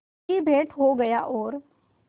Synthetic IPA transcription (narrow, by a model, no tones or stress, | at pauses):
ibʱeːʈʰɦoɡɐjaʔɔːɾ